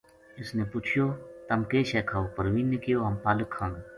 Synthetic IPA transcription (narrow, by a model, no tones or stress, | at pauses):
ɪsneːput͡ʃʰjoːt̪əmkeːʃɛːkʰaːoːpəɾʋiːnːekɪjoːɦəmpaːləkʰːãːŋɡ